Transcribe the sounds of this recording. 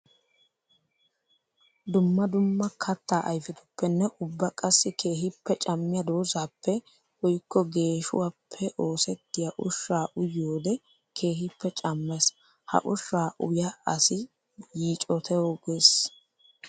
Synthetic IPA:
d̪ʊmːɐd̪ʊmːɐkʰɐt̪ːaːʔɐjfɪt̪ʊ̥pːɛnːɛʔʊbːɐkʼɐsːɪkʰe̞ːɦɪpːɛt͡ʃʼɐmːɪjɐd̪oːzaːpʰːɛ | wɔjkːɔɡe̞ːʃʊ̰waːpʰːɛʔo̞ːsɛt̪ːɪjɐʔʊʃːaːʔʊjːoːd̪ɛ | kʰe̞ːɦɪpːɛt͡ʃʼɐmːɛs | hɐ̰ʔʊʃːaːʔʊ̰jaɐsɪ | jiːt͡ʃʼɔt̪ʰɛwoɡʊes

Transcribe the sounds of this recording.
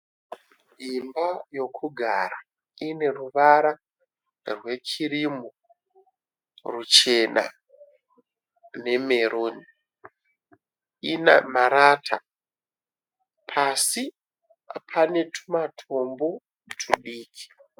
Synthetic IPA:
ɦimbajo̞kʰuɡʱa̰ɾa | ine̞ruʋaɾa | rwe̞t͡ʃʰiɾimo | rut͡ʃe̞na̰ | ne̞me̞ɾʔoːni | ina̰maɾatʰa | pʰasi | pʰane̞tʰumatʰo̞mbo̞ | tʰuɗiːkʰi̥

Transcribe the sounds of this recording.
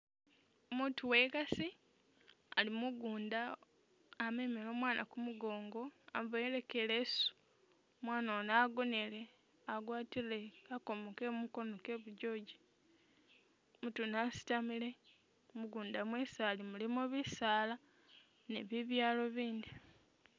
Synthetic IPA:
omutuwe̞ɡasi | alimuɡuːndaː | memilo̞mwaːnʔa̰kumuɡo̞ːŋɡo̞avaeɾekelesu̥ | omwaːnanaːɡonele̞ | aɡwaːtiɾeako̞mokemuko̞noke̞βuɟo̞ːɟi | mutunasi̥tamile̞ | muɡuːndamwesaːlimulimoβisaːla | ne̞̰βiβjaːlo̞βiːnd̪i

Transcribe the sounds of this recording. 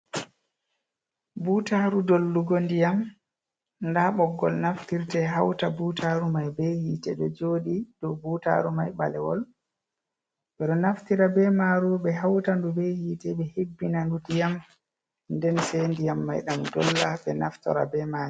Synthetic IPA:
butaɾudolːuɡɔndijam | ndaɓɔɡːɔ̰lnaftiɾtɛɦawtabutʰaɾumajbɛhiːtɛɗɔd͡ʒoːɗidɔbuːta̰ɾumajɓalɛwɔ̰l | ɓɛɗɔnaftiɾabɛmaːɾuɓɛɦawtandubehiːtɛɓɛhebːinandudijam | ndɛnsendijamːajɗamdɔlːabɛnaftɔ̰ɾa̰bɛmaːɾu

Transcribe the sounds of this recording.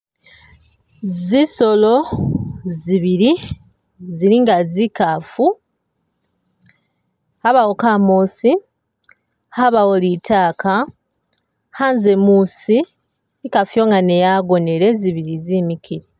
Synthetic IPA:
ziso̞lo̞ | ziβiɾi | ziɾiŋɡazikafu | haβawokamoːsi | haβawolitʰaːka | hanzemusi | ikafujo̞ːŋɡane̞jaɡo̞ne̞ɾe̞ziβiɾizimikʰiɾi

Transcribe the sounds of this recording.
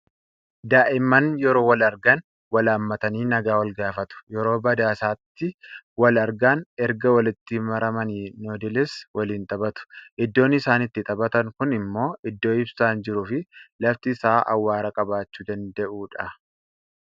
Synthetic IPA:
d̪aːʔɪmːɐnjɛɾo̞ːwɐlɐɾɡɐn | wɐlaːmːɐt̪ɐniːnɐɡaːwɐlɡaːfɐt̪ʊ̥jɛɾo̞ːbɐd̪aːsaːt̪ːɪwɐlɐɾɡaːnɛɾɡɐwɐlɪt̪ːɪmɐɾɐmɐniːnoːd̪ɪlɪswɐliːnt̪ʼɐbɐt̪ʊ̥ʔɪd̪ːo̞ːnːɪsaːnɪt̪ːɪt̪ʼɐbɐt̪ɐŋkʊnɪmːo̞ːʔɪd̪ːo̞ːɪbsaːnd͡ʒɪɾuːfɪlɐft̪ɪːsaːʔɐ̰wːaːɾɐkʼɐbaːt͡ʃːuːd̪ɐnd̪ɛʔuːᶑɐ

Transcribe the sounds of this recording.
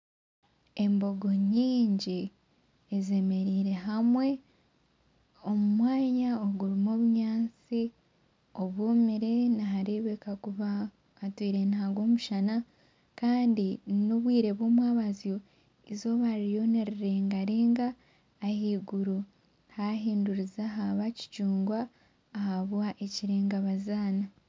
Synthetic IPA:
e̞mbo̞ɡo̞ɲiːɲɟi | eze̞me̞ɾiːɾe̞ɦamwe̞ | o̞mumwaːɲaoɡuɾimoβuɲaːnt͡si | o̞βwumiɾe̞naɦaɾeβekakuβaː | twiːɾe̞nhaɡwo̞ːmuʃana | kaːndinoβwiːɾe̞βo̞ːmwaːβazijo̞ | izo̞βaɾijo̞neɾeɾe̞ŋɡaɾeːŋɡaː | hiːɡuɾu | haɦiːnduɾizaɦaβaci̥cuːŋɡwaː | haβwaʔe̞ciɾe̞ːŋɡaβazaːna

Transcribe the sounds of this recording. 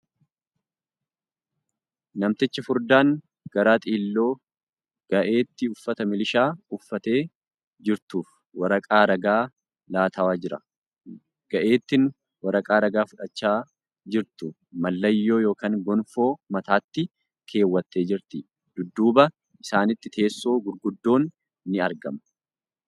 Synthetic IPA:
nɐmt̪ɪt͡ʃːɐfʊɾd̪aːŋ | ɡ̥ɐɾaːt̪ʼiːlːo̞ː | ɡ̥ɐʔe̞ːt̪ːɪʊfːɐt̪ɐmɪlɪʃaːʊfːɐt̪e̞ː | d͡ʒɪɾt̪uːf | wɐɾɐkʼaːɾɐɡaː | laːt̪ʰɐwaːd͡ʒɪɾɐ | ɡ̥ɐʔe̞ːt̪ːɪn | wɐɾɐkʼaːɾɐɡaːfʊᶑɐt͡ʃːaː | d͡ʒɪɾt̪ʊ | mɐlːɐjːo̞ːjo̞ːkaːŋɡɔnfo̞ːmɐt̪aːt̪ːɪ | kʰe̞ːwːɐt̪ːe̞ːd͡ʒɪɾt̪ɪ | d̪̥ʊd̪ːuːbɐ | ʔɪsaːnɪt̪ːɪt̪ʰe̞ːsːo̞ːɡʊɾɡʊd̪ːo̞ːnː | ɪɐɾɡɐmɐ

